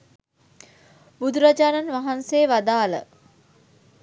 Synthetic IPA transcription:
bud̪uɾad͡ʒaːnanʋaɦanseːʋad̪aːlə̰

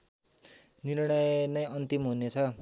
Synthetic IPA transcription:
nirɽ̃ʌjnʌjʌnt̪imɦunet͡sʰʌ

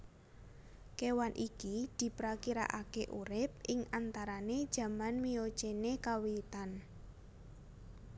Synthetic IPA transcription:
kewanʔikid̪̥i̤pɾakiɾa̰ʔakeʔṵɾɪp̚ʔɪŋant̪aɾaned̥ʒ̥ä̤manmio̥t͡ʃenekawiit̪an

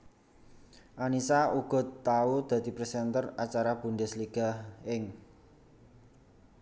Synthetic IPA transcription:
ʔanisauɡ̥ɔ̤t̪aud̪̥ä̤d̪̥i̤pɾɛsɛnt̪ərat͡ʃaɾab̥ṳɳɖɛsliɡ̥a̤hɪŋ

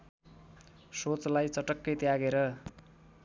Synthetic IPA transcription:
sot͡slajt͡sʌʈʌkːʌjt̪jaɡeɾʌ

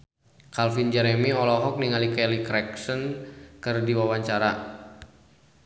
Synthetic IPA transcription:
kalfind͡ʒɛɾɛmiɔlɔɦɔk̚niŋalikɛlikɾɛksənkɨrdiwawaɲt͡ʃaɾa

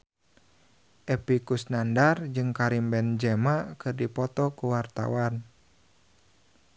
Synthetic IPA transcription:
ʔɛpikusnandard͡ʒɨŋkaɾimbɛnd͡ʒɛmakɨrdipɔt̪ɔkuwart̪a̰wan

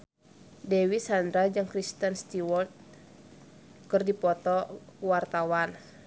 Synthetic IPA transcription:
dɛwisand̪ɾad͡ʒɨŋkɾist̪ənst̪iwɔrt̪̚ | kɨrdipɔt̪ɔwart̪awan

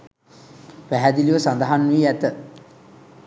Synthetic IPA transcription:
ʋæɦæd̪iliʋəsand̪aɦanːuiæt̪ə

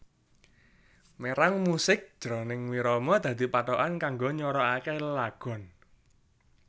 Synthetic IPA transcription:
meɾaŋmusɪk̚d͡ʒ̥ɾɔnɪŋwiɾɔmɔd̪̥ä̤d̪̥i̤paʈɔʔankaŋɡoɲɔɾɔakɛllaɡ̥ɔ̤n

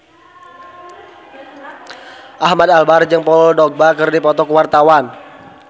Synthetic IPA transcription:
ʔahmadalbard͡ʒɨŋpɔdɔk̚bakɨrdipɔt̪ɔkəwart̪awan

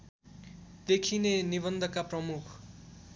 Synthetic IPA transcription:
d̪ekʰineniβʌnd̪ʱʌkaprʌmukʰ

